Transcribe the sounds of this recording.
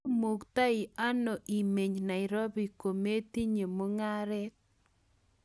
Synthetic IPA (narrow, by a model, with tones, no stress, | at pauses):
mu˨kt̪a˦ɪ˨a˦no˨ʔi˨me˨ɲna˨ɪ˨ɾo˦bi˨ko˨me˦t̪i˦ɲe˨mo˦ŋa˦ɾɛ˦k